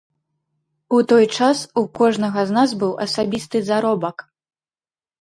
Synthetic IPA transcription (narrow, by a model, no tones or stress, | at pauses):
ut̪ɔjt͡ʂasukɔʐnɐɣɐznazbɨwʔɐsabʲist̪ɨzaɾɔbɐk